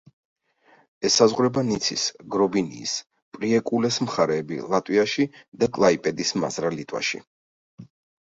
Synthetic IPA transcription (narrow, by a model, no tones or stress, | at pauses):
ɛsːazʁɾɛbanit̪sʰḭsɡɾɔbinḭːs | pʼɾiɛkʼulɛsmχaɾɛːbḭlˠat̪ʼwiaʃid̪̥akʼlˠaipʼɛd̪isma̰zɾalit̪ʼwa̰ʃḭ